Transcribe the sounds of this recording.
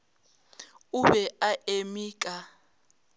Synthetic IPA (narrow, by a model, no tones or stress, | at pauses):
uβɛaʔemiːk̬ʼa